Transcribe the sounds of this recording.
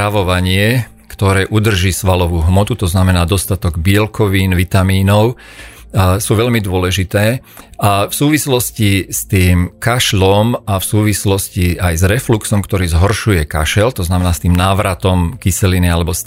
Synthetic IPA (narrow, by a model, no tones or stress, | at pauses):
aʋɔʋaɲɪɛ | kt̪ɔɾɛːʔud̪r̩ʒiːsʋalɔʋuːɦmɔt̪ut̪ɔznamɛnaːd̪ɔst̪at̪ɔɡbɪɛlkʰɔʋiːnʋit̪amiːnɔʊ | suːʋɛʎmid̪ʊɔlɛʒit̪ɛː | afsuːʋislɔscist̪iːmkaʃlɔmafsuːʋislɔsciajzɾɛfluksɔmkt̪ɔɾiːzɦɔɾʃujɛka̰ʃɛlt̪ɔznamɛnaːst̪iːmnaːʋɾat̪ɔmkisɛlinialɛbɔs